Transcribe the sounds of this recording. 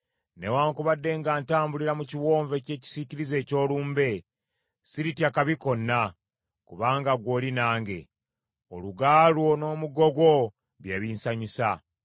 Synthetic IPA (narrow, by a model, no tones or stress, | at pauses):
newaːŋkuβadːe̞ŋɡaːntaːmbuliɾamuciwo̞ːɱve̞ce̞ːci̥siciɾize̞ːco̞ːluːmbe̞ | siɾitjakaβiko̞nːa | kuβaːŋɡaɡwo̞ːlinaːŋɡe̞̰ | o̰luɡaːlwo̞no̞ːmuɡo̞ɡwo̞ | βjeβinsaɲisa